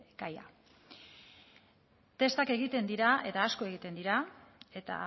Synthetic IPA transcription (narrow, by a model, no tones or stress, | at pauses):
ɡaja̰ | t̪e̞st̪ake̞ɣ̞it̪e̞nd̪iɾaet̪aːsko̞e̞ɣ̞it̪e̞nd̪iɾae̞t̪a̰